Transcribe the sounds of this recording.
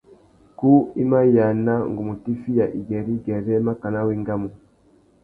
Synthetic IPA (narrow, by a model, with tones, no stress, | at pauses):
ku˦i˦ma˦ja˨na˦ŋɡu˨mu˨ti˦fi˦ja˨ʔi˨ɡɛ˨ɾi˦ɡɛ˨ɾɛ˦ma˦ka˨na˦wi˦ŋɡa˦mu˨